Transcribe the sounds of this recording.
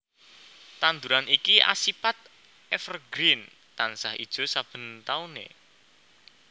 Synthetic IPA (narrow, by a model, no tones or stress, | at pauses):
t̪and̪uɾanikia̰sipat̪̚ | ʔɛfərɡɾin | t̪ansahḭd̥ʒ̥o̤sab̥ə̤nt̪aunḛ